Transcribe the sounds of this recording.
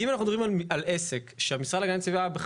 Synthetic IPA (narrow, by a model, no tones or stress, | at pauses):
imanaχnud̪oʁimaalesekʃeamisʁadlaɡant͡sivabeχ